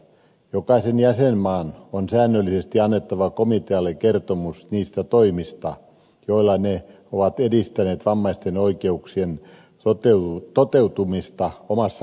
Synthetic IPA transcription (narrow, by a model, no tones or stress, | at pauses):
jokɑisenjæsenmɑːnonsæːnːølːisest̪iɑnːet̪ːɑʋɑkomit̪eɑlːˑekert̪omusniːst̪æt̪oimist̪ɑ | joilːˑɑne | oʋɑt̪edist̪æneːt̪ʋɑmːɑist̪enoikeuksien | ot̪et̪ot̪eut̪umist̪ɑomɑsːɑ